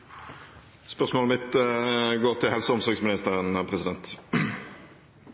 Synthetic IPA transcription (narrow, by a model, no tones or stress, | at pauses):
spœʁsmoːləmɪt̪əɡoːʁt̪ʰɪlhɛlsəɔmsɔʁɡsmɪnɪst̪əʁənəpʰʁɛsɪd̪ɛnt̪